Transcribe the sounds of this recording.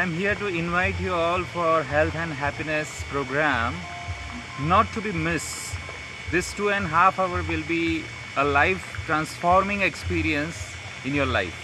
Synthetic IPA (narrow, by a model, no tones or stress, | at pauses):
ãɪ̃mɦiəɾʈuɪ̃nʋaɪʈjuɔːlfɔɾɦɛlt̪ʰɛ̃nɖɦæpinespɾoɡɾæ̃m | nɔʈːubimɪs | d̪ɪsʈuːɛ̃nɖɦafaʊəɾʋɪlbi | əlaɪfʈɾãnsfɔɾmɪ̃ŋekspiːɾiə̃ns | ɪ̃njoɾla̰ɪf